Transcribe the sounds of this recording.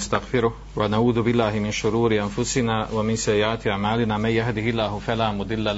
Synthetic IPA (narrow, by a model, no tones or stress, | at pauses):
st̪aɣfɪɾʊh | wanaʕuːðʊbɪlːaːhɪmɪnʃʊɾuːɾɪʔanfʊsɪnaːwamɪnsajːɪʕaːt̪ɪʔaʕmaːlɪnaːmanjahd̪ɪhɪlːaːhʊfalaːmʊd̪ˤɪlːal